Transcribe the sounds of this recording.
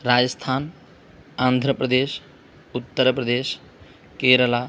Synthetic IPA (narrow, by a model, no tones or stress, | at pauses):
ɾad͡ʒəst̪ʰan | and̪ʱɾəpɾəd̪es | ut̪ːəɾpɾəd̪es | keɾəla